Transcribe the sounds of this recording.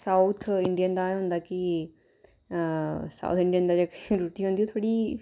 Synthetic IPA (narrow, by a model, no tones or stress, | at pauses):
saːut̪ʰɪɳɖijənd̪aːɦʊ̃nd̪aːkɪ | sa̰ːt̪ʰɪ̃ɳɖijənd̪aːd͡ʒekɾuːʈiːɦõnd̪iũːt̪ʰoːɽiː